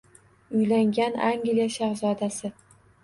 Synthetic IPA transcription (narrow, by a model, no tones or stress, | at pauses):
ʊjlaŋɡʲanaŋɡlijaʃaɾzɒd̪asɪ